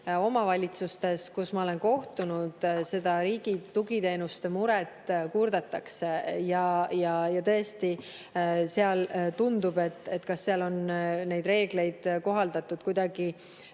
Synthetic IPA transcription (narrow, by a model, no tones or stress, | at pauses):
o̞mɑvɑlʲit̪sust̪e̞skusmɑo̞le̞nko̞ht̪unud̪̥se̞d̪̥ɑɾiːɡ̥it̪uɡit̪e̞ːnust̪e̞muɾɛt̪kurd̪̥ɑt̪ːˑɑksejɑjɑjɑt̪ɤ̞est̪i | se̞ɑlt̪und̪ub̥e̞t̪ːˑe̞t̪ːkɑsːeɑlo̞nnejd̪re̞ːɡ̥le̞jd̪̥ko̞ɦɑld̪ɑt̪ːˑud̪̥kujd̪̥ɑɡ̥i